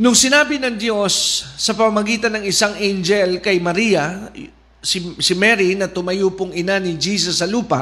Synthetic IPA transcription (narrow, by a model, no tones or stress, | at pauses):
nʊŋsɪnaːbɪnɐŋd̪jo̞sːɐpɐmamɐɡiːt̪ɐnːɐŋɪsaŋʔend͡ʒɛlkɐjmɐɾijɐ | ssɪmɛɾinɐt̪ʊmɐjupʊŋɪnanɪd͡ʒiːsɐsːɐluːpɐ̰